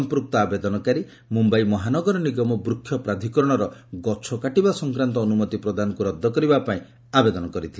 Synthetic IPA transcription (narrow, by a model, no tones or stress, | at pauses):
mpɾuk̚t̪ɔabed̪ɔnɔkaɾi | mumbajmɔɦanɔɡɔɾɔniɡɔmɔbɾukʰːjɔpɾad̪ʱikɔɾɔɽ̃ɔɾɔɡɔt͡ʃʰɔkaʈibasɔŋkɾant̪ɔːnumɔt̪ipɾɔd̪ʱanɔkuɾɔd̪ʱːɔkɔɾibapaĩ | abed̪ɔnɔkɔɾit̪ʰil